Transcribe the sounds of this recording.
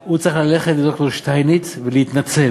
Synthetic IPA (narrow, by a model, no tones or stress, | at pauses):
ut͡saχlaleχetd̪oktoɾʃtajnit͡svileit̪nat͡sel